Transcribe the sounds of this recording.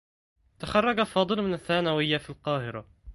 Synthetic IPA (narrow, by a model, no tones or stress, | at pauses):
t̪axɑrˤːɑɡafɑːd̪ˤɨlmɪnaθːaːnawɪjːafilqɑːhɪɾa